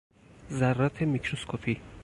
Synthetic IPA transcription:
zærːɒːt̪ʰemikʰɾoskʰopʰi

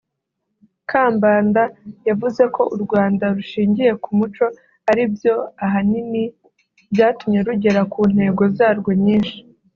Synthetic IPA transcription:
kʰaːmbaːndajavuze̞ko̞ʔuɾɡwaːndaɾuʃiːɲɟije̞kumut͡ʃo̞ | aɾibjo̞aɦanini | bjaːtumɲe̞ɾuɟe̞ɾakuːn̥he̞ːɡo̞zaːɾɡwoɲɲiːnʃi̥

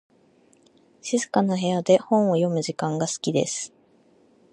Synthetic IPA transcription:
ɕizɨkanaɦe̞jad̪e̞hõ̞ɰ̃o̞jo̞mɯ̟ʑikãŋɡasɨ̥kʲid̪e̞̰sɨ̥

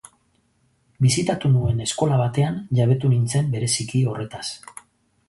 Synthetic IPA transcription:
bisit̪at̪unue̞ne̞sko̞laβ̞at̪e̞anʝaβ̞e̞t̪unint͡se̞mbe̞ɾe̞sikio̞re̞t̪as

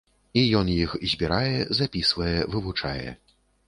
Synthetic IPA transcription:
ijɔnjixzʲbʲiɾajɛzapʲisvɐjɛvɨvut͡ʂajɛ̰

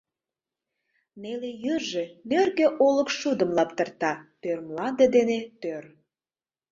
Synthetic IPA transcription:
nelejyrʒenørɣeʔoləkʃud̪əmlɑp̚t̪ərt̪ɑp̪ørmlɑnd̪ed̪enet̪ør

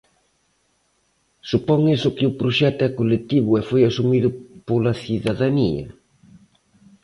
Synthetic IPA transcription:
supɔŋesʊkɪʊpɾoʃɛt̪ɛkolet̪iβʊɛfojasumiðʊpolaθiðaðaniɐ̰

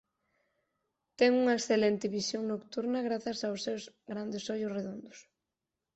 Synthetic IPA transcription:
t̪ɛŋuŋɐeksθelent̪ɪβisjoŋnokt̪uɾnɐɣɾaθɐsawsːewz | ɣɾand̪ɪsoʎʊsreðond̪ʊs

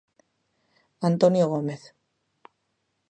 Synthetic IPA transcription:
ant̪onjoɣ̞omeθ

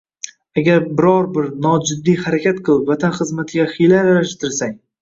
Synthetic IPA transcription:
aɡʲaɾbɪɾɒɾbɪɾnɒd͡ʒɪd̪ːijhaɾakʲʰat̪qʰɨlˠɪpvat̪ʰanχɨzmat̪ʰɪɡʲaχɪjlaɾaɾaʃt̪ʰɪɾsaŋ

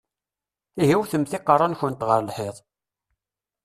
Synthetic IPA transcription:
iɦiwθəmθɪqːɑrˤːɑnçənt̪ʁəɾlħeðˤ

